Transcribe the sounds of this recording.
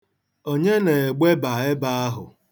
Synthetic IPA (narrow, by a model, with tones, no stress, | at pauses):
o˦ɲe˦ne˨ɡ͡be˦ba˨ɪ˦ba˦a˦ɦʊ̰˨